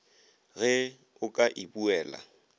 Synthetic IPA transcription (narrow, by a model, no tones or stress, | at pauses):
ɣɛ | ʊkʼaʔibuɛːla̰